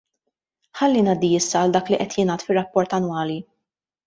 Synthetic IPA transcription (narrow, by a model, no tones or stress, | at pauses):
ħɐlːinɐːd̪iɪsːɐːld̪ɐːkliʔɛt̪ʰjɪnɐːt̪fɪrːɐpːɔɾt̪ɐnwɐːli